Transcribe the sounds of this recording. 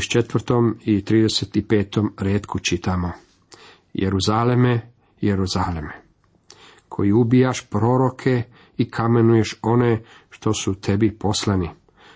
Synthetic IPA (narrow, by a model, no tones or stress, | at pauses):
ʃt͡ʃe̞t̪ʋr̩t̪o̞mit̪ɾiːd̪eset̪ipe̞ːt̪o̞mɾeːt̪kut͡ʃit̪amo̞ | jḛɾuzaleme | jeɾuzaːleme | kʰo̞jiubijaʃpɾo̞ɾo̞kʰe̞ | ikʰame̞nuje̞ʃo̞ne | ʃt̪o̞sut̪ʰe̞bipo̞slani